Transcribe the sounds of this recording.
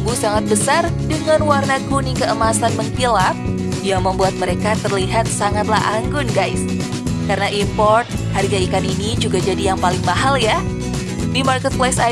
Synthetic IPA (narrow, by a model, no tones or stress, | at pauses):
busaŋat̪̚bəsardəŋanwarnaɡunikəəmasanmənt̪ilap̚jaŋməmbuat̪̚məɾekat̪ərliɦat̪̚saŋat̪la̰ɦʔaŋɡʊnɡajs | kaɾənaʔimpɔrt̪̚haɾiɡaikaninid͡ʒuɡad͡ʒadijaŋpalɪŋmaɦalja | dimarkət̪̚plajsa